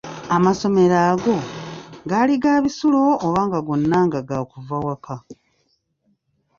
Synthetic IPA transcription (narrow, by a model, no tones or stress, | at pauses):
amaso̞me̞ɾaːɡo̞ɡaːliɡaːβisulo̞ːβaːŋɡaɡonːaːŋɡaɡakuvawaka